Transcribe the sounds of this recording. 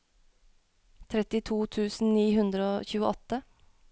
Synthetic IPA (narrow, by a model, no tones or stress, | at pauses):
t̪ʰɾɛt̪ɪt̪ʰuːt̪ʰʉːsn̩niːɦʉnd̪ɾəoːçʉːəʔɔt̪ə